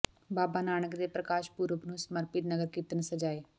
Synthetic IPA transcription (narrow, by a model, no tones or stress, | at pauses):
baːbaːnaːñəkd̪eːpɾəkaːʃpuɾəpnũːsməɾpɪt̪nəɡəɾkit̪ənsəd͡ʒaːeː